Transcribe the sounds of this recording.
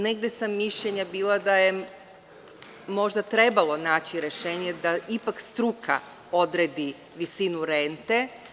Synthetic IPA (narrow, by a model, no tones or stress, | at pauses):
ne̞ɡd̪e̞samːiʃʎeɲabiːlˠad̪aje | mo̞ʒd̪at̪ɾe̞balˠo̞naːt͡ɕiɾe̞ʃe̞ːɲed̪aʔipakst̪ɾukʰa̰ | o̞d̪ɾed̪i | ʋisinuɾe̞nt̪e̞